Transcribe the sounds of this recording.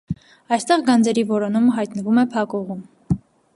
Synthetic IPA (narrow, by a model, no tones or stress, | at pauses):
ɑjst̪ɛʁɡɑnd͡zɛɾivɔɾɔnumɦɑjt̪nəvumɛpʰɑkɔʁum